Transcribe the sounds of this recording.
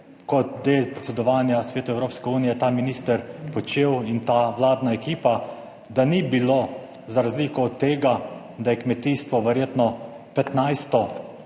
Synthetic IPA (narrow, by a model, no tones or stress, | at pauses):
kɔt̪̚d̪eːlpɾɛt̪sɛd̪ɔʋaːnjasʋeːt̪ʊɛwɾoːpskɛuːnijɛt̪aːminiːst̪əɾpɔt͡ʃeːwint̪aːʋlaːd̪naɛkiːpa | d̪anibiloː | zaɾazliːkɔːt̪ːeːɡa | d̪ajɛkmɛt̪iːst̪ʋɔʋɛɾjeːt̪nɔ | pɛt̪najst̪ɔ